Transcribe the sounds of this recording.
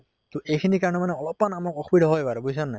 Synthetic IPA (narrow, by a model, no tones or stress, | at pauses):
t̪uʔejkʰinikaɹɔnɛmanɛɔlɔpmanamɔkɔxʰubidʱɔɦɔjpaɹbujs̬ɔnːaj